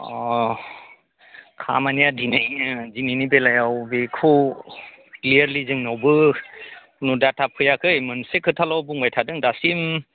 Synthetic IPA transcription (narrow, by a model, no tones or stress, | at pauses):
ɔ | kʰa̰manijadinajzininibelajawbekʰuw | klijaɾlizɯŋnawbɯ | nudatʰapʰɯjakʰɯjmɯnsekʰɯtʰalawbuŋbajtʰadɯŋdasim